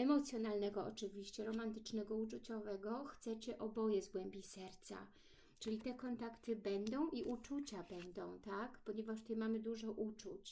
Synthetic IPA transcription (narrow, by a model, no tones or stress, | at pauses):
ɛmɔt̪sʲjɔnalnɛɡɔɔt͡ʂɘvʲiɕt͡ɕɛɾɔmant̪ɘ̥t͡ʂnɛɡɔut͡ʂut͡ɕɔvɛɡɔxt̪sɛt͡ɕɛʔɔbɔjɛzɡwɛmʲbʲisɛɾt̪sa̰ | t͡ʂɘlʲit̪ɛkɔnt̪akt̪ɘbɛnd̪ɔ̃w̃ʔiʔut͡ʂut͡ɕabɛnd̪ɔ̃w̃t̪akpɔɲeɛvaʂt̪ɛjmamɘd̪uʐɔʔut͡ʂut͡ɕ